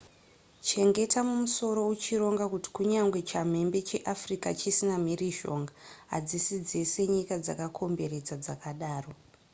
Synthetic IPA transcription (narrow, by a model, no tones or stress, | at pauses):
t͡ʃe̞ŋɡe̞tamumuso̞ɾo̞ut͡ʃiɾo̞ŋɡakuti̥kuɲaŋɡwe̞t͡ʃam̤e̞mbe̞t͡ʃe̞ʔafrikat͡ʃisinam̤iriʒo̞̰ŋɡaɦa̰d͡zisid͡zese̞ɲikad͡za̰kakʰo̞mbe̞ɾed͡zad͡zakaɗaːro̞